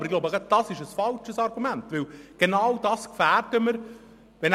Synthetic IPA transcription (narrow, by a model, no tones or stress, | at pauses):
bəɾɪɡlobəɡəd̥ɑsɪʃəsfɑlʃəsɑɾɡumæntʋɪlɡ̥enɑwdɑːskfæːrdəməɾ | ʋɛn